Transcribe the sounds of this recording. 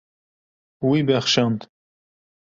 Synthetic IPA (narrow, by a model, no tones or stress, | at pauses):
wibɛxʃɑnt̪